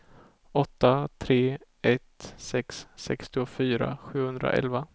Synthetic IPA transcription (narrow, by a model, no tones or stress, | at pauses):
ɔt̪ːat̪ʰɾeː | ɛt̪sɛksːɛkst̪ɪʊfyːɾa̰ɧʉ̟ːhɵnd̪ɾa̰ʔɛ̰lva